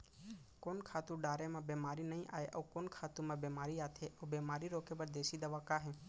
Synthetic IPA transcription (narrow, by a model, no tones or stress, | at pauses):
koːnkʰaːt̪ũɖaːɾeːmãːbeːmaːɾinəɦĩːʔa̰ːeːʔəːkoːnkʰaːt̪ũmãːbeːmaːɾiːaːt̪ʰeːʔəːbeːmaːɾiɾoːkeːbəɾd̪eːsiːd̪əʋaːkaːɦẽː